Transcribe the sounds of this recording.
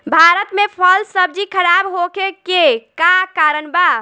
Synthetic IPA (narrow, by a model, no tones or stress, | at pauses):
bʱaɾət̪mepʰəlsəb̚d͡ʒikʰəɾabɦokekekakaːɾənba